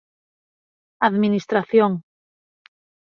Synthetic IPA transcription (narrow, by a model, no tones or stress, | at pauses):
aðminist̪ɾaθjoŋ